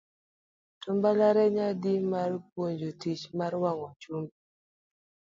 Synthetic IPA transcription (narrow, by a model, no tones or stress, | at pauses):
tʊmbalaɾɛɲadimarpwoɲd͡ʒotit͡ʃmaɾwaŋɔt͡ʃumb